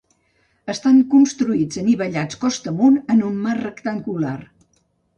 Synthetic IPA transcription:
əst̪aŋkunst̪ɾuid͡zəniβəʎat͡skɔst̪əmunənumːarrəkt̪aŋɡular

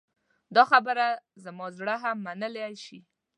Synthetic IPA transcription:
d̪ɑxabəɾazəmɑzɽəɦamːanəleʃi

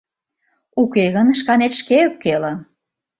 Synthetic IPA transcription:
ukeɣənʃkɑnet̪ʃkeokːelə̆

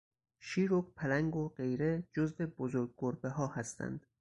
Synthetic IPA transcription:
ʃiːɾokpʰælæŋɡoɢe̞jɾe̞d͡ʒozve̞bozoɾɡ̚ɡoɾbeɦɒːhæst̪ʰæ̰nd̪̥

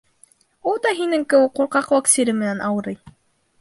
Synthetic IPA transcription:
ulˠd̪ɑɦinɘŋkɘ̆wɘquɾqɑqwɑksʲiɾɘmɘ̆nænʔɑwɤ̆ɾɤj

